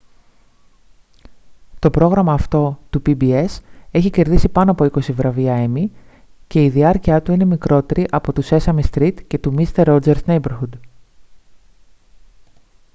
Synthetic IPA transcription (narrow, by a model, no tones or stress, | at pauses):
t̪o̞pɾo̞ɣɾɐmɐːft̪o̞t̪upibie̞se̞çice̞ɾðisipɐnoɐpo̞iko̞sivɾɐviɐemi | ce̞iðiɐɾciɐt̪uine̞mikɾo̞t̪e̞ɾiʔɐpo̞t̪use̞sɐmist̪ɾit̪ce̞t̪umist̪eɾod͡ze̞ɾsne̞jbeɾxud̪